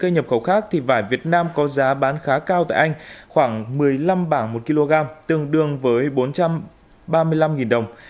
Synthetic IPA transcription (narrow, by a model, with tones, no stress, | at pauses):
kə˧jɲə˨˩p̚xə˧˩wxaː˦˥k̚t̪ʰi˨˩vaː˧˩jvi˨˩ət̚naː˧mkɔ˨˦zaː˨˦ɓaː˨˦nxaː˨˦kaː˧wt̪a̰ː˧˨jʔa˧ŋ̟xwaː˧˩ŋmɨ˨˩əjla˧mɓaː˧˩ŋmo˨˩t̚ki˧lo˧ɣaː˧mt̪ɨ˨˩əŋɗɨ˨˩əŋvəː˨˦jɓo˨˦nt͡ɕa˧m | ɓaː˧mɨ˧əjla˧mŋi˨˩nɗə˨˩wŋ͡m